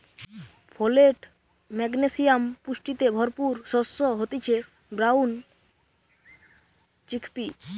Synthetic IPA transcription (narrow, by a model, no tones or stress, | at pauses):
pʰoleʈ | mɛɡnesijampuʃʈit̪ebʱɔɾpuɾʃɔsːoɦot̪it͡ɕʰe | bɾaun | t͡ɕikʰpi